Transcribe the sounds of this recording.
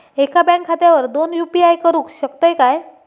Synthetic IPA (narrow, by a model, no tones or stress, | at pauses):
ekʰabɛ̃ŋkʰːat̪jaʋəɾd̪onjupiajkəɾuːkɕəkt̪ajkaj